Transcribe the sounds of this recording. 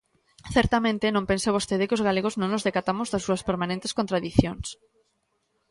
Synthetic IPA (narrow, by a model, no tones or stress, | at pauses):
θɛɾt̪amẽnt̪ɪnõmpenseβost̪eðɪkɪozɣaleɣ̞oznõŋnʊzðekat̪amʊzðɐsːuɐspeɾmanẽnt̪eskõnt̪ɾaðiθjoŋs